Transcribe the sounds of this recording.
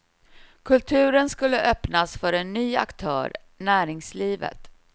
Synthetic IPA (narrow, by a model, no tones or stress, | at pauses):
kʰɵlt̪ʰʉ̟ːɾənskɵlːəʔœpnasfœɾɛnːyːa̰kt̪ʰœ̰ːɾ | næːɾɪŋsliːvə̰t̪